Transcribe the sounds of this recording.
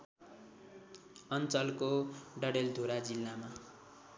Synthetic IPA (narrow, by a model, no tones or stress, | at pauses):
ʌnt͡sʌlkoɖʌɽeld̪ʱuɾad͡zilːama